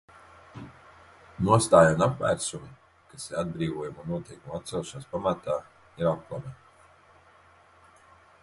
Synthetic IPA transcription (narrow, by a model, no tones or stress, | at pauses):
nuɔst̪aːjanapvæ̰ːɾsumi | kasiɾad̪̚bɾiːvuɔjumunnuɔt̪ejkumat̪sɛlˠʃanspamat̪aː | iɾapklˠama